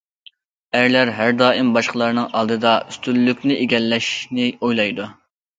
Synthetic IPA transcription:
æɾlæɾɦæɾd̪ɑːʔimbɑʃqəlˠɑɾnɨŋʔɑlˠd̪ɨd̪ɑyst̪ylːykʲnɪʔeɡʲɛlːɛʃnɪojlˠɑjd̪u

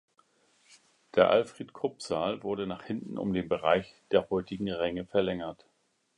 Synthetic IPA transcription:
d̥eːɐʔa̰lfʁ̥eːtkʰʊpz̥aːlvʊɐdənaːχhɪntn̩ʔʊ̰mdeːnbəʁaɪçd̥eːɐhɔʏtɪɡŋ̩ʁɛŋəfɛɐlɛŋɐt

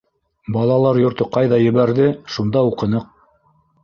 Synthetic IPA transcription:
bɑlˠɑlˠɑɾjŏɾt̪ɤqɑjðɑjɘ̆βæɾðɘʃund̪ɑuqɤ̆nɤq̚

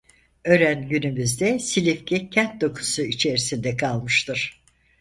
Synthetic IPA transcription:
ø̞ɾænɟynymyzd̪ɛsilʲifcʰɛcʰænt̪̚d̪o̞kʰu̥suit͡ʃʰe̞ɾisind̪ɛkʰalˠmɯʃt̪ʰɯɾ̥

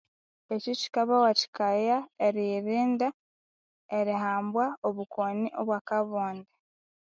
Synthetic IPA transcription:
ecoci̥kaβawaci̥kajaeɾiɾiːnda | eɾiɦaːmbwaoβukoniʔoβwakaβoːnda

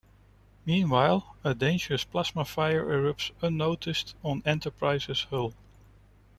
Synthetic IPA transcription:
mĩːnwaɪlˠədẽɪ̃nd͡ʒəɹəspʰl̥æzməfaɪəɹʔɛɹəpsə̃nːoʊtʰɪstn̩ɛ̃ntʰə˞pʰɹaɪzɪz̥hɪlˠ

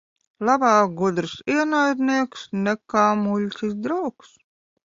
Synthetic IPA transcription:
lˠabaːɡud̪ɾsiɛnajd̪niɛksnɛkaːmulʲtʲis̬d̪ɾawks

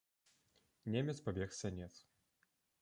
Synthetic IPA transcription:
nʲemʲɛt̪spabʲɛxsʲɛanʲɛt̪s

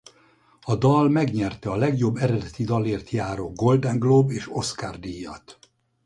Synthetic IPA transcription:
ɒd̪ɒlmɛɡɲɛrt̪ɛɒlɛɡjo̞bːɛɾɛd̪ɛt̪id̪ɒleːrt̪jaːɾoɡɡo̞ld̪ɛŋɡloːbeːʃo̞skard̪ijːɒ̰t̪

